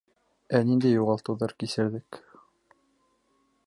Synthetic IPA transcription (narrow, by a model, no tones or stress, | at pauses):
ænind̪æjːuʁɑlˠt̪ɤ̆wðɑɾkisɘ̆ɾðɘk